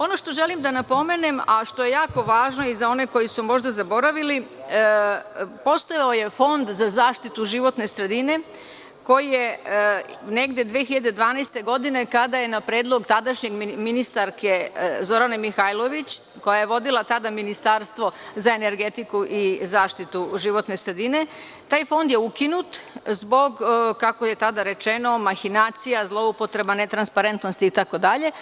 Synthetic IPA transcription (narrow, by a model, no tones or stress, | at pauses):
o̞no̞ʃt̪o̞ʒe̞limd̪anapo̞me̞ne̞maʃt̪o̞je̞jaːko̞ʋaːʒno̞izao̞ne̞ko̞jisumo̞ʒd̪azabo̞ɾaʋili | po̞st̪ajaoje̞fo̞nd̪zazaːʃt̪it̪uʒiʋo̞t̪ne̞sɾe̞d̪ine̞ | ko̞jije̞ | ne̞ɡd̪e̞d̪ʋeːxiʎad̪e̞d̪ʋaːnast̪e̞ɡo̞d̪ine̞kad̪aje̞napɾe̞ːd̪lˠo̞ɡt̪ad̪aʃɲe̞ɡminist̪aɾke̞zo̞ɾanamixajlˠo̞ʋit͡ɕ | ko̞jaje̞ʋo̞d̪ilˠat̪ad̪aminist̪aːɾst̪ʋo̞zae̞ne̞ɾɡe̞t̪ikuʔizaːʃt̪it̪uʒiʋo̞t̪ne̞sɾed̪ine̞ | t̪aːjfo̞nd̪jeukinut̪zbo̞ɡkako̞jet̪ad̪aɾe̞t͡ʃe̞no̞maxinaːt̪sijazlˠo̞upot̪ɾe̞bane̞t̪ɾanspaɾe̞nt̪nost̪iːt̪ako̞d̪aʎe̞